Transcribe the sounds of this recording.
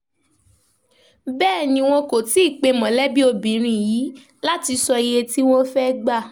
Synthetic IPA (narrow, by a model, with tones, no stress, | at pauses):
bɛː˦˨nĩ˧w̃ɔ̃˧ko˨ti˨˦i˦˨k͡pe˧mɔ̃˨lɛ˦bi˦o˧bĩ˨˦ɾ̃ĩ˧˨jiː˨˦ | la˦ti˧sɔ˧i˧je˧ti˦wɔ̃˦fɛ˦ɡ͡ba˦˨